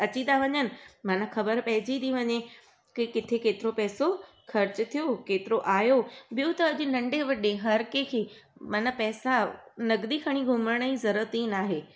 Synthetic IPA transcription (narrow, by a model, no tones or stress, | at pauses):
ɐt͡ɕid̪aʋɐɲənɪ̆mãːnaxɐbəɾpɐɦɪ̃d͡ʑid̪iʋɐɲe | kikɪt̪ʰekeːt̪ɪɾopɛːso | xɐɾt͡ɕt̪ʰijokeːt̪ɪɾoʔaːjoɓijot̪ɐɐʄɪ̆nɐ̃ɳɖeʋɐɗeɦɐɾkekʰeːmãːnapɛːsanɐɡd̪ikʰɐɽ̃iɡʱʊməɽ̃izɐɾət̪iːnaːɦeː